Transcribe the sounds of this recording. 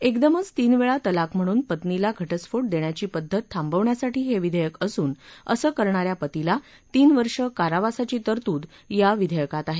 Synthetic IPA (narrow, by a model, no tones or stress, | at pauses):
ekd̪əmət͡st̪iːnʋeɭat̪əlakm̤əɽ̃uːnpət̪nilaɡʱəʈəsfoʈ̚d̪eɳ̃jat͡ɕiːpəd̪ʱːət̪ʰːambəʋɳjasaʈiːɦeʋid̪ʱəjəkəsuːnə̰səːkəɾɳaɾjapət̪ila | t̪iːnʋəɾʂəkaɾaʋasat͡ɕiːt̪əɾt̪uːd̪ | jaʋid̪ʱəjəkat̪aɦe